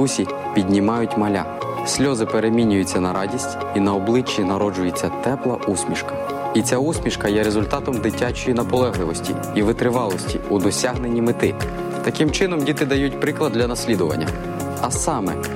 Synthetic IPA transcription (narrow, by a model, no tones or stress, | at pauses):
usʲi | pʲidʲnʲimɑjʊtʲmɐlʲa̰ | sʲlʲɔzɪpeɾe̞mʲinʲʊjʊt͡sʲːɐnɐɾɑdʲisʲtʲ | inɐɔblˠɪt͡ʃːinɐɾɔd͡ʒʊjet͡sʲːɐt̪ɛplˠɐʔusʲmʲiʃkɐ̥ | it͡sʲausʲmʲiʃkɐjɛɾezʊlʲt̪ɑt̪ɔmd̪ɪtʲat͡ʃɔjinɐpɔlˠɛɦlˠɪʋɔsʲtʲḭ | iʋɪt̪ɾɪʋɑlˠɔsʲtʲḭud̪ɔsʲaɦne̞nʲːimɪt̪ɪ | t̪ɐkɪmt͡ʃɪnɔmdʲit̪ɪd̪ɐjutʲpɾɪklˠɐd̪lʲɐnɐsʲlʲid̪ʊʋɐ̰nʲːɐ̰ | ɐsɑmɛ